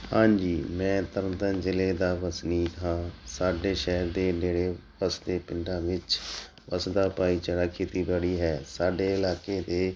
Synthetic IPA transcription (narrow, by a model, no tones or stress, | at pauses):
hãːɲd͡ʒiːmɛ̃ːt̪əɾnt̪ənd͡ʒɪleːd̪aːʋəsniːt̪ɦãːsaːɖeːʃɛɦəɾd̪eːneːɽeːʋəsd̪eːpɪɳɖãːʋɪt͡ʃ | ʋəsd̪aːpaːiːt͡ʃəɽaːkʰeːt̪iːbəɽiːɦɛːsaːɖeːɪlaːkeːd̪eː